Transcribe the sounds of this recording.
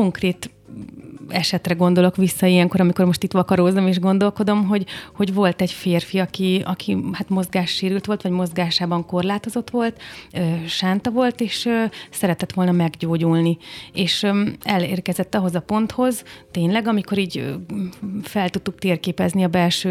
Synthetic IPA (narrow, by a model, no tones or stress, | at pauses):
o̞ŋkreːt̪ | ɛʃɛt̪rɛɡo̞nd̪o̞lo̞kʋisːɒijɛŋko̞ɾɒmiko̞rmo̞ʃt̪it̪ʋɒkɒɾozomeːʒɡo̞nd̪o̞lko̞d̪o̞mɦo̞ɟho̞ɟʋo̞lt̪ɛɟfeːrfiɒkiɒ̰kʰihaːt̪mo̞zɡaːʃːeːɾylt̪ʋo̞lt̪ʋɒɟmo̞zɡaːʃaːbɒŋko̞rlaːt̪o̞zo̞t̪ʋo̞lt̪øːʃaːnt̪ɒvo̞lt̪eːʃsɛɾɛt̪ɛt̪ʋo̞lnɒmɛɡɟoːɟulnieːʃɛleːrkɛzɛt̪ːɒɦo̞zɒpo̞nt̪ho̞zt̪eːɲlɛɡɒmiko̞ɾiːɟ | fɛlt̪ut̪ːuk̚t̪eːrkeːpɛzniɒbɛlʃøː